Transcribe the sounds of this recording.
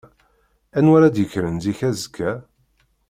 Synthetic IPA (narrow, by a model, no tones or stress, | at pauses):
ænwæɾæd̪jəçɾənziçæzkʰːæ